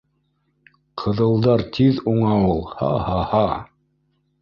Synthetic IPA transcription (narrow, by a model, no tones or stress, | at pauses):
qʰɤ̆ðɤ̆lˠd̪ɑɾt̪ʰiðuɴɑulˠhɑ̰hɑhɑ